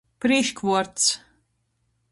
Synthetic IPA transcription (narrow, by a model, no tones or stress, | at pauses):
pɾiʃkvuɔɾt̪s